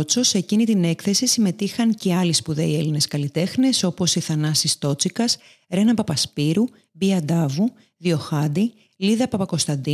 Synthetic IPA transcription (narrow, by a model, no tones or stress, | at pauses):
t͡so̞se̞cinit̪ine̞kθe̞sisime̞t̪ixɐŋce̞ɐlispuðe̞ie̞line̞skɐlit̪e̞xne̞so̞po̞siθɐnɐsist̪o̞t͡sikɐs | ɾe̞nɐpɐpɐspiɾu | biɐd̪ɐvu | ðio̞xɐd̪i | liðɐpɐpɐko̞st̪ɐnd̪i